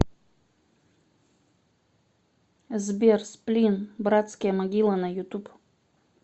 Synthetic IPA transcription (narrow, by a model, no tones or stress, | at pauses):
zbʲersplʲinbrat̪skəjəmɐɡʲilˠənajʊt̪up